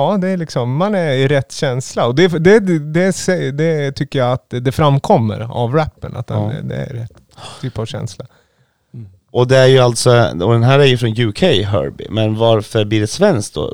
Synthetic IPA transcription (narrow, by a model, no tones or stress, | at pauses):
ɑːd̪ɛæɾlɪksɔmːanæɾɪɾɛt̪ːɕɛnslaɔd̪ɛd̪ɛd̪ɛsɛd̪ɛt̪ʰʏkːəjaat̪d̪ɛfɾamːkʰɔmːə̰ɾa̰vɾæpːəna̰t̪ha̰n̰d̪ɛ̰æ̰ɾɾɛt̪ː | t̪ʰːyːpavɕɛ̰nsla | ɔd̪ɛæɾjɵalt̪sɔɔd̪ɛnɦæːɾæɾjɵfɾɔnjʉːkʰɛjɦœ̰ɾbɪ̰mɛnvaɾfœɾbliːɖɛsvɛnskd̪ɔ̰